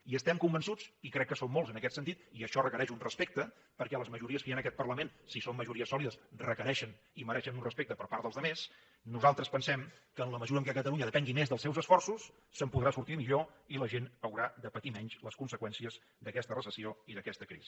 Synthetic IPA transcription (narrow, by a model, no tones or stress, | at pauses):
iəst̪ɛmkumbənsut͡sikɾɛkːəsomːolˠzənəkɛt̪sənt̪it̪iəʃɔrəkəɾɛʃunrəspek̚t̪ə | pəɾkɛləzməʒuɾiəskəjanəkɛt̪̚pərləmensisomːəʒuɾiəsɔliðəsrəkəɾɛʃən | iməɾɛʃənunrəspek̚t̪əpəɾpaɾt̪ðəlˠzðəmes | nuzalˠt̪ɾəspənsɛmkəːnləməzuɾəŋkɛkət̪əlˠuɲəðəpɛŋɡimezðəlˠsɛwzəsfɔrsusː | əmpuðɾasuɾt̪imiʎoiləʒenəwɾaðəpət̪imɛɲʃləskunsəkwɛnsiəz | ðəkɛst̪ərəsəsioiðəkɛst̪əkɾḭzi